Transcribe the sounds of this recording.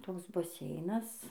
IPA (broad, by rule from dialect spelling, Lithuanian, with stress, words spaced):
ˈtoːks bɐˈsʲɛɪnɐs